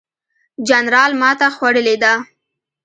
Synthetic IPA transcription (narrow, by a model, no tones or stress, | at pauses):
d͡ʒanɾɑlmɑt̪axwaɽəled̪a